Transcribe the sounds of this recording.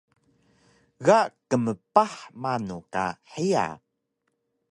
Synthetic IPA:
ɣakəməpaħmanuka̰ħia̰

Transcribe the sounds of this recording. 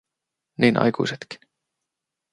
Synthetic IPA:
niːnʔɑ̰jkṵjset̪ki̥

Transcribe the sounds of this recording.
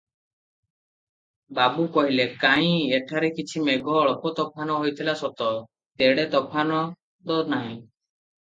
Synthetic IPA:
babukɔɦilekaĩeʈʰaɾekit͡ʃʰimeɡɔːɭɔpɔt̪ɔpʰanɔɦojt̪ʰilasɔt̪ɔ | t̪eɽet̪ɔpʰanɔ | d̪ɔɾnaɦĩ

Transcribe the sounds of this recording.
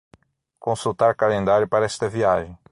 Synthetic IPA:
kõsut̪aɾkalẽnd̪aɾjʊpaɾɐɛst̪ɐviaʒẽj̃

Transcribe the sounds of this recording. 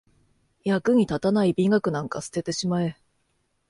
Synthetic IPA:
jakɯ̟ɲ̟it̪at̪anaibʲiŋɡakɯ̟nãŋka̰sɨ̥t̪e̞t̪eɕimae̞

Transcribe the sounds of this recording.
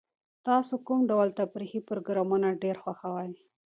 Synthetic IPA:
t̪ɑsokumɖawlt̪abɾixipʊɾoɡɾɑmunaɖeɾxwaxawaj

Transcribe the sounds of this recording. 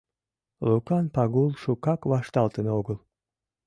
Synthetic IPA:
lukɑnpɑɣulˠʃukɑkβɑʃt̪ɑlˠt̪ənəoɡəlˠ

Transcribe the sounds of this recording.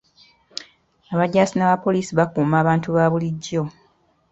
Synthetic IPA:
aβaɟaːsinaβapo̞liːsiβakuːmaːβaːntuβaːβuliɟːo̞

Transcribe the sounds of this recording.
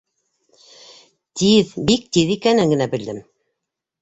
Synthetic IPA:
t̪ʰiðbik̚t̪iðikænɘŋɡɘ̆næbɘ̆ld̪ɘm

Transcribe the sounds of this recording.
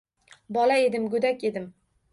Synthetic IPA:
bɒlae̞d̪ɪmɡʊd̪akʲe̞d̪ɪm

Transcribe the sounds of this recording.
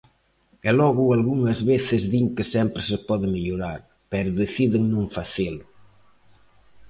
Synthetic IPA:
ɛlɔɣualɣuŋɐzβeθɪzðiŋkesɛmpɾesepɔðɪmeʎuɾaɾ | pɛɾʊðeθiðɪŋnõɱfaθel

